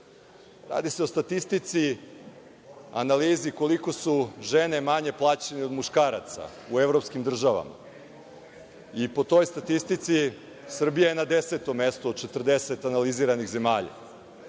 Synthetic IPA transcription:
ɾa̰ːd̪iseo̞st̪at̪ist̪it̪si | analiːziko̞liko̞suʒe̞ne̞maɲe̞plˠaːt͡ɕeneomuʃkaːɾa̰t̪sa̰ | ue̞ʋɾopskimd̪r̩ʒaʋa̰ma̰ | ipo̞t̪o̞jst̪at̪ist̪it̪si | sr̩bijajenad̪e̞seːt̪o̞mːe̞st̪ood̪̚t͡ʃet̪r̩d̪eset̪analiziːɾaniɣze̞maːʎa̰

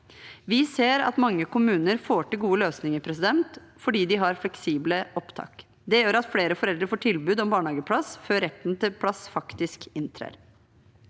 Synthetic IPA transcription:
ʋɪseːɾɑ̰t̪mɑŋːəkʊmʉːnəɾfoːʈɪlɡuːəløːsnɪŋəpʰɾɛsɪd̪ɛnt̪fɔɖiːd̪ɪɦɑɾflɛksiːbləʔɔpt̪ʰɑ̰ːk | d̪ɛjøːɾɑt̪fleːɾəfɔɾɛld̪ɾəfoːʈʰɪlbʉːd̪ɔmbɑːɳhɑːɡəpʰlɑsføːɾɛt̪ːnt̪ʰɪlpʰlɑsfɑkt̪ɪskɪnt̪ʰɾḛːɾ

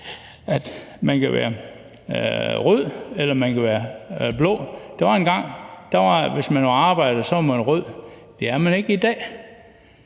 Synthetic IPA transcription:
æd̥ | mænkʰæʋæ̰ːɐ | ʁøð̰ˠelɐmænkæʋæːɐb̥lɔ̰ːd̥eʋɑ̈e̝nɡ̥ɑ̈ŋ̰d̥ɑʋɑ̈ʋe̝smænoɑ̈ːb̥ɑ̈ɪ̰d̥ð̩ˠsɒʋɑmænʁøð̰ˠd̥e̝æɐmæne̝ɡ̥əid̥ɛ̰ː

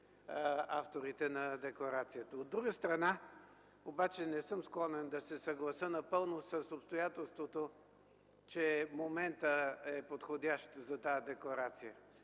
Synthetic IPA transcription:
aft̪oɾit̪ɛnɐd̪ɛkˠoɾat̪sijət̪əod̪ːɾuɡəst̪ɾɐna | obat͡ʃɛnɛsɤmsklˠɔnɛnd̪ɐsɛsɐɡlˠɐsənɐpɤlˠnosəsopst̪ojat̪ɛlˠst̪vot̪o | t͡ʃɛmomɛnt̪əɛpot̪xod̪ʲaʃt̪zɐt̪aəd̪ɛkloɾat̪sijə

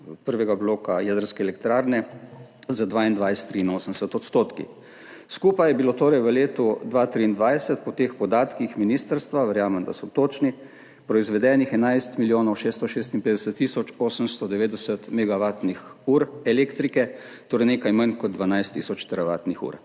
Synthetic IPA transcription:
pəɾʋɛɡabloːkajɛd̪əɾskɛːlɛkt̪ɾaːɾnɛ | zad̪ʋaːind̪ʋajst̪ːɾiːnoːsəmd̪ɛsət̪ɔt̪st̪oːt̪kḭ | skupajɛbilot̪oːɾɛjʋəleːt̪ud̪ʋaːt̪ɾiːnd̪ʋajsət̪̚pɔt̪eːxpɔd̪aːt̪kixminiːst̪əɾst̪ʋaʋəɾjaːmɛmd̪a̰sɔt̪oːt͡ʃni | pɾɔizʋɛd̪ɛːnixɛnajst̪miljoːnɔwʃeːst̪ɔʃeːst̪inpeːd̪ɛsət̪ːiːsɔt͡ʃoːsəmst̪ɔd̪ɛʋeːd̪ɛsət̪mɛɡaʋaːt̪nixuːɾɛleːkt̪ɾikɛ | t̪oːɾɛjneːkajmənkɔd̪ʋanajst̪ːisɔt͡ʃt̪əɾaʋa̰ːt̪nixṵːɾ

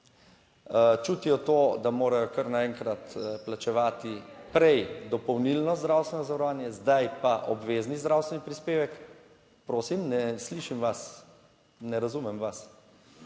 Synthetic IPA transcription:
t͡ʃut̪ijɔt̪od̪amoːɾajɔkɐɾnaɛŋkɾat̪plat͡ʃɛʋaːt̪ipɾɛjd̪ɔpɔwnilnɔzd̪ɾawst̪ʋɛnɔzaʋɐɾɔʋaːnjɛzd̪ajpaʔɔbʋeːznizd̪ɾawst̪ʋɛnipɾispeːʋɛk | pɾoːsimnɛsliʃimʋas | nɛɾazumɛmʋas

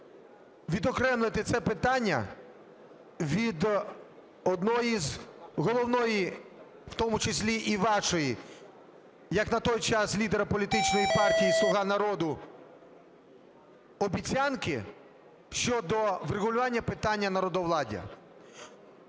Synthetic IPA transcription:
ʋʲid̪ɔkɾɛmlˠɪt̪ɪt̪sɛpɪt̪ɑnʲːɐ̰ | ʋʲid̪ | ɔd̪nɔjizɦɔlˠɔwnɔji | w̥t̪ɔmʊt͡ʃesʲlʲiʔiʋɑʃɔji | jɐknɐt̪ɔjt͡ʃɑslʲid̪eɾɐpɔlʲit̪ɪt͡ʃnɔjipɑrtʲijislˠʊɦɑnɐɾɔd̪ʊ | ɔbʲit͡sʲankɪ | ʃt͡ʃɔd̪ɔʋreɣʊlʲʊʋɑnʲːɐpɪt̪ɑnʲːɐnɐɾɔd̪ɔʋlˠɑdʲḭ

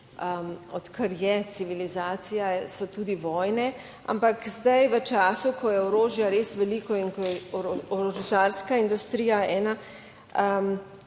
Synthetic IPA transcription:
əɔt̪kəɾjɛsiʋilizaːsijasɔt̪uːd̪iʋɔːjnɛ | a̰mpakzd̪ajʋət͡ʃaːsukʰɔjɛɔɾoːʒjaɾeːsʋɛliːkɔinkɔjɛɔɾɔʒʒaːɾskaind̪ust̪ɾiːjaɛːna | əm

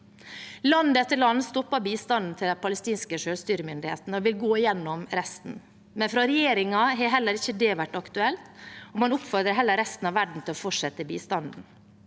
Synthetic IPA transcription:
lɑnd̪ət̪ʰːɪlɑnst̪ɔpːɑbiːst̪ɑnd̪n̩t̪ʰɪld̪ɛpʰɑləst̪iːnskəʂøːlst̪yːɾəmʏnd̪ɪheːt̪n̩ɔʋɪlɡoːɪjɛnːɔmɾɛst̪n̩ | mɛnfɾɑɾɛjeːɾɪŋɑɦɛɦɛlːəɾɪçəd̪ɛʋæʈːɑkt̪ʉɛlt̪ɔmɑnʊpfɔɾd̪ɾəɦɛlːəɾɛst̪n̩ɑʋæɖɳ̩t̪ʰɪlɔfɔʈʂɛt̪ʰːəbḭːst̪ɑnd̪n̩

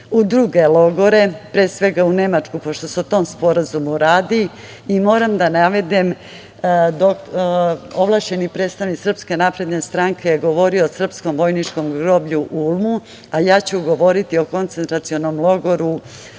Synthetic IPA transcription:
ud̪ɾuɡe̞lˠo̞ɡo̞ɾe̞pɾe̞ːsʋe̞ɡaune̞mat͡ʂkupo̞ʃt̪o̞seot̪omspo̞ɾazumuɾaːd̪i | imo̞ːɾamd̪anaʋe̞d̪em | d̪ok | oʋlˠaʃt͡ɕe̞nikpɾet̪st̪aʋniksr̩pske̞napɾe̞d̪nest̪ɾaŋke̞jeɡo̞ʋo̞ɾiosr̩pskomʋo̞jnit͡ʃko̞mɡɾo̞ːbʎuʔulˠmu | ajaːt͡ɕuɡo̞ʋo̞ɾit̪io̞ko̞nt̪sent̪ɾat̪sio̞nomlˠo̞ɡo̞ɾu

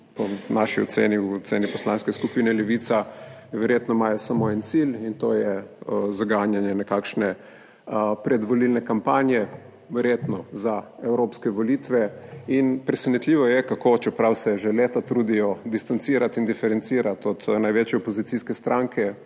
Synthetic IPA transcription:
pɔnaʃiɔ̰sḛːniwt̪seːnipɔslanskɛskupiːnɛlɛʋiːt̪saʋɛɾjet̪nɔmajɔsamoɛnt̪silint̪oːjɛzaɡaːnjanjɛnɛkakʃnɛ | pɾɛd̪ʋɔlilnɛkampaːnjɛ | ʋɛɾjeːt̪nɔzaɛwɾopskɛʋɔlit̪ʋɛinpɾɛsɛnit̪lʲiʋɔjɛkakot͡ʃɛpɾawsɛʒeleːt̪at̪ɾuːd̪ijɔd̪ist̪ant̪siːɾat̪ind̪ifɛɾɛnt̪siːɾat̪ɔt̪najʋet͡ʃjɛɔpozit̪siskɛst̪ɾʔaŋkʰɛ

